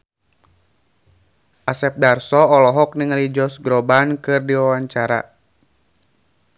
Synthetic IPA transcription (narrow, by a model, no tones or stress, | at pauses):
ʔasɛp̚darsɔːlɔɦɔk̚niŋalid͡ʒɔsɡɾɔbankɨrdiwawaɲt͡ʃaɾa̰